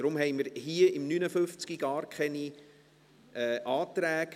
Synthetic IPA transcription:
ɾʊmɦɛjməɾhiəɪmnynəfʏft͡skiɡ̥ɑːrkʰχɛni | ɛʔɑːt̪ɾæːk

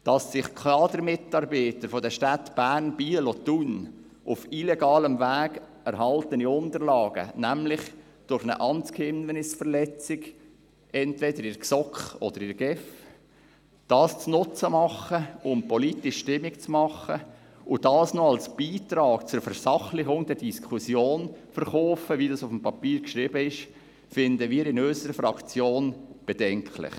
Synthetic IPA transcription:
d̥ɑsːɪχkʰlɑːdəɾmɪtɑɾbiːtəɾfodɛʃtætb̥æːɾnb̥iːəlɔtun | ʔʊfilɛɡɑːləmvæːɡ | ɛɾɦɑltəniʊntəɾlɑːɡə̰næmlɪχ | d̥ʊɾχnə̰ʔɑnt͡skʰhɪmənɪsfəɾlɛt͡sɪɡ | ʔɛntvɛdəɾɪɾksɔkχɔ̰d̥əɾɪɾɡ̥ɛf | d̥ɑːst͡snʊt͡səmɑχəʊmpɔlitɪʃtɪmɪkt͡smɑχə | ʊd̥ɑːsnɔɑlsb̥iːtɾɑːkt͡sʊɾfəɾsɑχlɪɡʊŋd̥̪ɛd̥iskʰusjoːnfəɾχɔːfəʋidɑsʊfm̩pɑpiːɾkʃɾiːbəɪʃ | fɪnd̪əʋiːɾɪnøsəɾəfɾɑkt͡sjoːnb̥ed̥ɛŋkʰlɪ̰χ

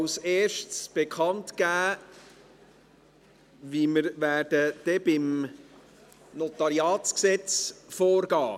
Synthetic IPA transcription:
wseːʃtsb̥ekʰχɑntɡ̥æː | viməɾvæːd̥əd̥ɛb̥ɪm | nɔt̪ɑɾiɑːtsksɛt͡sfoːɾɡ̥ɑː

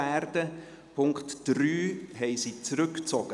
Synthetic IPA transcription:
ɛːrd̥ə | pʰʊŋktd̥ryːɦɛɪzit͡sɾʏkt͡sɔɡ̥ə

